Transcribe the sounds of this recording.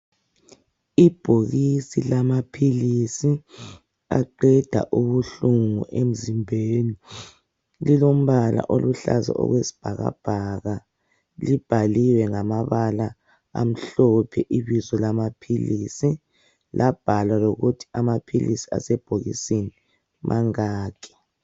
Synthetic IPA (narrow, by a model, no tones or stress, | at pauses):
ib̥ʱoɣisilamapʰilisi | a̰ǃɛd̥ʱa̰ʔuβuɬuŋuʔem̩zimbʱeːni | lilom̩βala̰ʔoluɬa̰za̰ʔɔ̰ɣwesi̥b̥ʱaɣa̰b̥ʱaɣa | lib̥ʱaliwɛŋamaβala | a̰m̩ɬɔpʰɛʔiβizɔlamapʰilisi | lʔab̥ʱalaloɣutʰi̥amapʰilisi̥a̰sɛb̥ʱoɣḭseni | mʔaŋaːkʰɛ̥